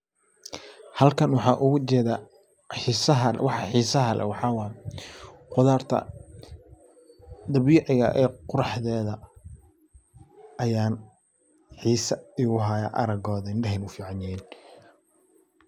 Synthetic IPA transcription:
hɐlkʰɐnwɑħɑːʔʊɣʊt͡ʃɛːðaː | ħisɐɦɐwɑħɑħiːsɐɦɐlɛ̰wɑħɑːwɑː | qʊðaːrt̪ʰɐ̰ | d̪ɐβiːʕɪɣɐ̰ʔɛːqʊɾɑħðɛːðɐ | ʔɐjaːn | ħiːsɐɪɣʊɦaːja̰ʔɐ̰ɾɐɡɔːðɐɪnɖɐɦɛnʊfiːʕɑnjɪjɛn

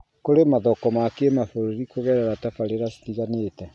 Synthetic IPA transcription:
koɾemaðɔkɔmakemaθoɾoɾikoɣɛɾɛɾatafaɾeɾasi̥tiɣanetɛ

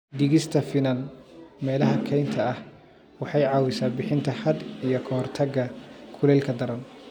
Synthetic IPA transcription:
d̪ɪɣɪst̪ʰɐfɪnɐnmɛːlɐɦɐkʰɛjnt̪ʰɐɐh | wɑħɑjʕɑːwɪsaːbɪħɪnt̪ʰɐhɐd̪ijɞkʰɐhɔrt̪ʰɐɡɐkʰʊlɛːlkʰɐd̪ɐɾɐn

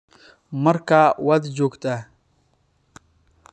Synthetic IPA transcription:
məɾkawad̪d͡ʒoɡt̪ʼa

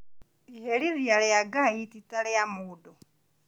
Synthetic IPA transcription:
iheliðialejaɡaititalejamuːdu

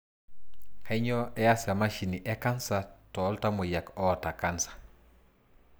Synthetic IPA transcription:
kaiɲɔʔɛjasamaʃiniʔɛkansatɔltamojakɔtakansḁ

